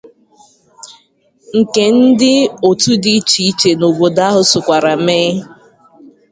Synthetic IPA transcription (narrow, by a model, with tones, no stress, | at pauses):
ŋ̩˨ke˨n̩˦dɪ˦o˨tu˦dɪ˦t͡ʃi˦i˦t͡ʃe˨no˨bo˨da˦ɦʊ˨sʊ˨kʷa˨ɾa˨meː˦